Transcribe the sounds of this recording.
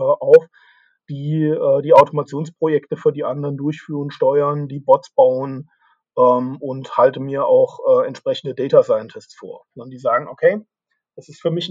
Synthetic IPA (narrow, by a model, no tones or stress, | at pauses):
ʔaʊf | d̥iːɛːdiːaʊtʰomat͡sjoːnspʁ̥ojɛktəfyːɐdiːʔandəʁəndʊɐçfyːʁənʃtɔʏɐndiːbɔtt͡sb̥aʊən | ʔɛːmʊnthaltəmiːɐʔa̰ʊxʔɛːɛntʃpʁ̥ɛçn̩dədɛːtasaɪəntʰɪssfo̰ːɐnədiːzaːɡŋ̩ʔokʰeɪː | d̥asɪstfyːɐmɪç